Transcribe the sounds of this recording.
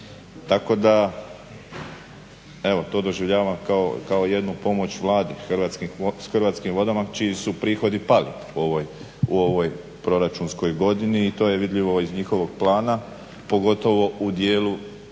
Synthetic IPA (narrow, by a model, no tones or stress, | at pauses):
t̪ako̞d̪a | e̞ʋo̞t̪o̞ːd̪o̞ʒiʋʎaːʋamkao̰kaoje̞d̪nupo̞mo̞t͡ɕʋlˠaːd̪ixʋat̪skisxrʋaːt̪skimʋo̞d̪amat͡ʃijisupɾiːxo̞d̪ipalipooj | uo̞ʋo̞j | pɾo̞ɾat͡ʃunsko̞jɡo̞d̪iniːt̪o̞ːjeʋid̪ʎiʋo̞izɲixo̞ʋo̞ɡ̥̚plˠaːna | po̞ɡo̞t̪o̞ʋo̞ʔud̪jeːlu